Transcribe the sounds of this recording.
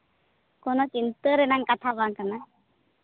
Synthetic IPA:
konot͡ʃint̪əɾenaŋkat̪ʰabaŋkana

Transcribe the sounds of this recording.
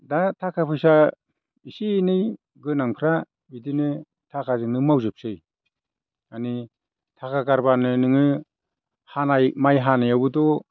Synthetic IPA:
datʰakʰapʰɯjsa | isinɯj | ɡɯnaŋpʰɾa | bidinɯ | tʰakʰazɯŋnɯmawzɯp̚sɯj | ani | tʰakʰakaɾbanɯnɯŋɯ | hanajmajɦanajawbɯdɔ

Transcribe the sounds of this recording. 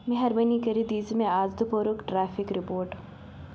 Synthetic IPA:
mɪɦɐɾbɐnikɐɾid̪iːzmẽaːzd̪upoːɾʊkʈɾɛːfʰɪkɾɪpoːɾʈ

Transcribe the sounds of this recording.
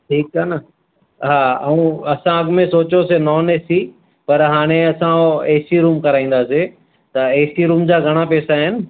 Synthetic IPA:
ʈʰiːkɦaːnə | ɦaːɐũɐsãɐɡmẽsoːt͡ɕosenɔːneːsi | pɐɾɦaːɽ̃eɐsãoeːsiɾuːmkɐɾaːĩːn̆d̪aːse | t̪ɐeːsʈiɾũːmd͡ʑaːɡʱɐɽ̃apeːsaɦɪnɪ̆

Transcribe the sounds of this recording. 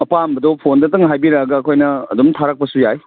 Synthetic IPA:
ɐpambɐdopʰondɐtɐŋɦajbiɾaɡɐːkʰojnɐːdumtʰaɾɐk̚pɐsujaj

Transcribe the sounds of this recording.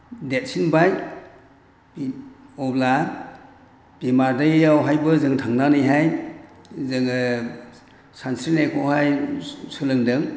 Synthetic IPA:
det̚sinbaj | ɔbla | b̥imaɾdajeawɦajbɯzɯŋtʰaŋnanajɦaj | zɯŋ | sansɾinajkʰɔɦajsɯlɯŋdɯŋ

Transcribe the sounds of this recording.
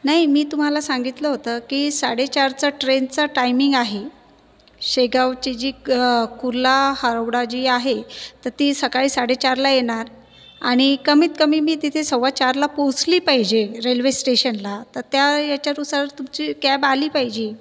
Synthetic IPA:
naɦimiːt̪um̤alasãŋɡit̪ləɦot̪əːkiːsaɽet͡ɕaɾt͡saʈɾent͡saʈajmiŋɡaɦe | ɕeɡaʋt͡ɕed͡ʑiːkuɾlahəɾoʋɽad͡ʑiːaɦet̪əɾt̪iːsəkaɭiːsaɽet͡ɕaɾlajeɽ̃aɾ | aɽ̃ikəmiːt̪̚kəmiːmiːt̪it̪ʰesəwʋat͡ɕaɾlaposliːpaɦid͡ʑeɾelʋesʈeɕənlat̪əɾt̪jajat͡ɕjaɾusaɾt̪umt͡ɕiːkæbaliːpajd͡ʑi

